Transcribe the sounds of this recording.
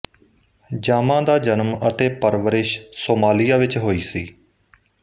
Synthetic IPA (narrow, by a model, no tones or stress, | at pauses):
d͡ʒaːmãːd̪aːd͡ʒənmət̪eːpəɾʋəɾɪʃsoːmaːlɪjaːʋɪt͡ʃɦoːiːsiː